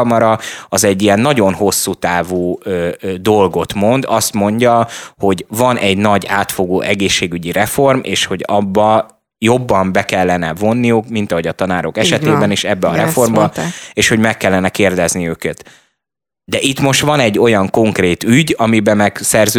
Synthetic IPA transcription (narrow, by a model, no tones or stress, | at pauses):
ɒmɒɾɒɒzɛɟːijɛnːɒɟo̞nho̞sːut̪aːvuːøːd̪o̞lɡo̞t̪mo̞nd̪ɒst̪mo̞ɲɟɒho̞ɟvɒnɛɟnɒɟaːt̪fo̞ɡoːʔɛɡeːʃːeːɡyɟiɾɛfo̞rmʔḛːʃho̞ɟɒbːɒ | jo̞bːɒmbɛkɛlːɛnɛvo̞nːijukmint̪ɒɦo̞ɟɒt̪ɒnaːɾokɛʃɛt̪eːbɛniʃɛbːɛɒɾɛfo̞rmbɒeːʃho̞ɟmɛkːɛlːɛnɛkeːrd̪ɛzniøːkɛt̪ | d̪ɛʔit̪mo̞ʃt̪ʋɒnɛɟːo̞jɒŋko̞ŋkreːt̪yɟɒmibɛmɛɡsɛrzø